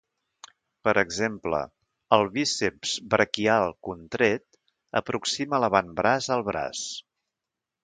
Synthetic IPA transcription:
pəɾʔəɡzemplə̰ | əlˠβisepz̥bɾəkialˠkunt̪ɾet̪ | ə̰pɾuksimələβanbɾazəlˠβɾa̰s

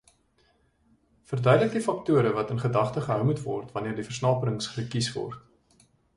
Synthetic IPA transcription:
fərdœɥdlək̚difɐk̚tuəɾəvɐtənχədɐχtəχəɦœwmutvɔ̰rtvɐniərdifərsnɑːpəɾəŋsχəkisvɔ̰rt

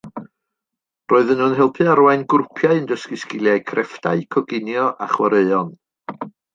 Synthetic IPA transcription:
roːɨðənuːnɦɛlˠpʰɨaɾwaɨnɡʊrpʰjaɨəndəskɨskɪlˠjajkʰrɛfdaɨkʰɔɡɪnjɔʔa̰χwəɾeɨɔn

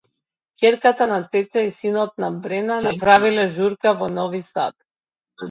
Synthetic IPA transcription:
kʲɛɾkat̪anat̪ɛt̪ɛisinɔt̪̚nabɾɛnanapɾavilɛʒuɾkavɔnɔvisa̰t̪

